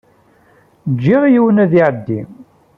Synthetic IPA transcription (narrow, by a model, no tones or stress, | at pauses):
d͡ʒːiʁijiwənæðiʕd̪ːim